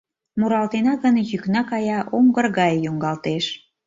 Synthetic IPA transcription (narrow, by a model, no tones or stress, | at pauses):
muɾɑlt̪enɑɣənjyknɑkɑjɑʔoŋɡərɣɑjːuŋɡɑlt̪eʃ